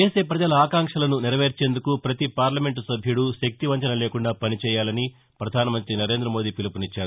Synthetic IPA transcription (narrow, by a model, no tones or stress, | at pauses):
e̞ːse̞ːpɾɐd͡ʒɐlɐaːkaːŋkʂɐlɐnuniɾɐʋe̞ːɾt͡ʃe̞ːnd̪ukupɾɐt̪ipaːɾlɐme̞ɳʈusɐbʱjuɽuʃɐk̚t̪iʋɐɲt͡ʃɐnɐle̞ːkuɳɖaːpɐnit͡ʃɛːjaːlɐni | pɾɐd̪ʱaːnɐmɐnt̪ɾinɐɾe̞ːnd̪ɾɐmoːd̪iːpilɐpunit͡ʃːaːɾu